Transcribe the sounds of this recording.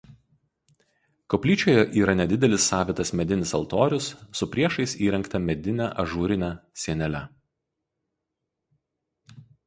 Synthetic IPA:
kɔpʲlʲiːt͡ʃʲoːjɛʔiːɾɐnʲɛd̪ʲɪd̪ʲɛlʲɪsːɑːʋʲɪt̪ɐsmʲɛd̪ʲɪnʲɪsɐlˠt̪oːɾʲʊsːʊpʲɾʲiɛʃɐɪsiːɾʲɛŋkt̪ɐmʲɛd̪ʲɪnʲæːʔɐʒuːɾʲɪnʲæːsʲiɛnʲɛlʲɛ

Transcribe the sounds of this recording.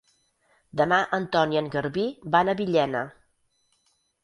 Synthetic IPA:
d̪əmaʔənt̪ɔniəŋɡəɾβibanəβiʎɛnə

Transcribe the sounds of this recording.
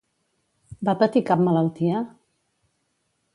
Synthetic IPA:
bapət̪ikap̚mələlˠt̪iə

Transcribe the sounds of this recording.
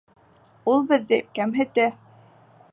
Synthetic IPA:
ulˠbɘ̆ðːɘkæmɦɘ̆t̪æ

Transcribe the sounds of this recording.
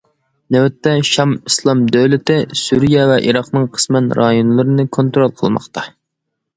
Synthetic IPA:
næwɛt̪ːɛʃɑmislˠɑmd̪øwlɪt̪ɪsuɾijɛvɛʔiɾɑqnɨŋqʰə̥smɛnɾʔɑjonlˠɨɾɨnɨkʰont̪ɾolˠqʰəlˠmɑ̰χt̪ʰɑ

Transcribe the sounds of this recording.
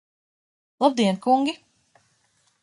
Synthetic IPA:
lˠab̚d̪iɛnkuŋɡʲi

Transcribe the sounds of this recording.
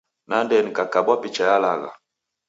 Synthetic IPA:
nandɛnikakabwapit͡ʃajalaɣa̰

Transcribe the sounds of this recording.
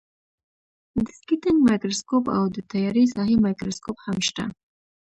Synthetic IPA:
d̪əskit̪ɪŋɡmɑjkɾoskopa̰wd̪ət̪ajɑɾisɑɦimɑjkɾoskophamʃt̪a̰

